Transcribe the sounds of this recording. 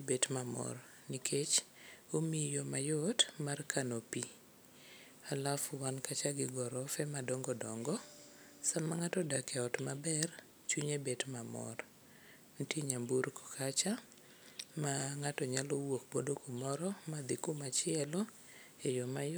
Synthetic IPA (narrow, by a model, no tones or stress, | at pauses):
betmamɔ̰ɾ | nikʰet͡ʃomijɔmajɔtmarkʰanopi | alafʊwankat͡ʃaɡɪɡɔɾɔfɛmadɔŋɡɔdɔŋɡɔ | samaŋatɔdakɛɔtmabɛr | t͡ʃuɲebetmamɔ̰ɾ | n̩tieɲambuɾkɔ̥kat͡ʃa | maŋatɔɲalowok̚bodokomɔɾɔmad̪ɪkomat͡ʃɪɛlɔ | ejɔmaj